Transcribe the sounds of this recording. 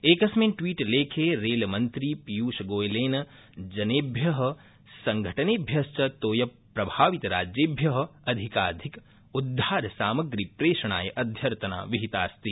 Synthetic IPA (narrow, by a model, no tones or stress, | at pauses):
eːkɐsmeːʈʋiːʈleːkʰeːɾeːlmɐnt̪ɾipjuːʃɐɡoːjleːnɐ | d͡ʒɐneːbʱjɐɦɐ̆ | sɐ̃ŋɡʱɐʈɐnebʱjɐst͡ʃɐt̪oːjɐpɾɐbʱaːʋit̪ɐɾa̰ːd͡ʒjeːbʱjɐɦɐ̆ɐd̪ʱikaːd̪ʱik | ud̪ʱːaːɾsaːmɐɡɾipɾeːʃɐɳ̃a̰ːjɐʔɐd̪ʱjɐɾt̪ɐna̰ːʋiɦit̪aːst̪i